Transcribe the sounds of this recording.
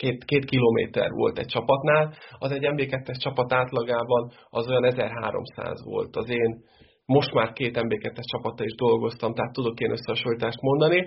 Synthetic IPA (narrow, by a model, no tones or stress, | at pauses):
keːt̪keːt̪kiloːmḛːt̪ɛ̰rʋo̞̰lt̪ɛ̰c̚t͡ʃɒpɒt̪naːlɒzɛɟːɛmbeːkɛt̪ːɛʃt͡ʃɒpɒt̪aːt̪lɒɡaːbɒn | ɒzo̞jɒnɛzɛrɦa̰ːɾo̞̰msa̰ːzʋo̞̰lt̪ɒzeːn | mo̞ʃt̪maːrkeːt̪ɛmbeːkɛt̪ːɛʃt͡ʃɒpɒt̪ːɒiʒd̪o̞lɡo̞st̪ɒmt̪ɛɦat̪ːud̪o̞keːnʔøsːɛɦɒʃolit̪aːʃt̪mo̞nd̪ɒni